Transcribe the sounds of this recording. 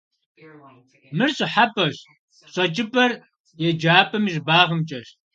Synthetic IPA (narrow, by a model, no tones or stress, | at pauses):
mɨrɕʼɪħapʼɐɕ | ɕʼɐt͡ʃʼɪpʼɐr | jɛd͡ʒaːpʼɐmizbaːʁəmt͡ʃʼɐɕ